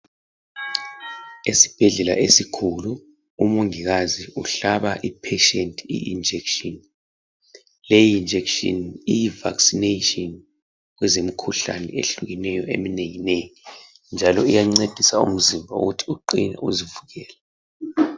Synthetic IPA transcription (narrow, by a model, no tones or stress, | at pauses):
esi̥b̥ʱɛɮɛla̰ʔesikʰulu | umuŋiɣaziʔuɬaβaʔipʰeʃentʼḭʔḭnd͡ʒʱɛkʃɔn | lejːnd͡ʒʱɛkʃɔ̰nijiva̰ksinetʼɔn | wɛzem̩kʰuɬa̰nɛ̰ḛɬuɣinɛjɔḛmineŋinɛjɔ | nd͡ʒʱalɔijaŋ͡ǀed̥ʱisaṵm̩zimbʱaṵɣutʰi̥uǃinɛ̰ʔuzivuɣɛːlɛ